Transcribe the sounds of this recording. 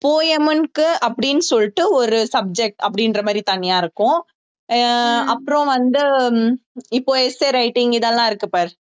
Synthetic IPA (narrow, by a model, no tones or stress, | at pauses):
poːjɐmɯnkɯɐpːɐɽɪnːɯsɔlʈːɯɔɾɯsɐb̚d͡ʒɛk̚ʈɐpːɐɽɪnɾɐmaːd̪ɾit̪ɐnːɪjaːɪɾɯkːʊ̃ | ɐpːɯɾɔ̃ʋɐnd̪ɯ | ɪpːoːɛseːɾɐɪʈɪŋɡɪðɐlːãːɪɾɯkːɯpaːɾ